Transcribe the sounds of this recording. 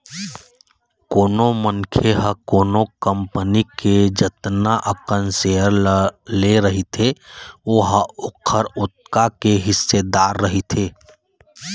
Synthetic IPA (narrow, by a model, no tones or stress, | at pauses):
koːnomənkʰeɦəkoːnokəmpəniked͡ʒət̪naʔəkənseəɾleɾəɦit̪ʰeoɦʊkʰːəɾʊt̪̚kakeɦɪsːed̪aːɾːəɦit̪ʰeː